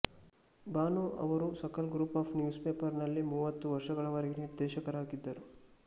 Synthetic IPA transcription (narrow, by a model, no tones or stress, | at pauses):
baːnuʔɐ̰ʋɐɾusɐkɐlɡɾuːpaːpʰnjuːspeːpɐɾnɐlːimuːʋɐt̪ːuʋɐɾʂɐɡɐɭɐʋɐɾɛɡeniɾd̪ɛːʃɐkɐɾaːɡid̪ːɐɾu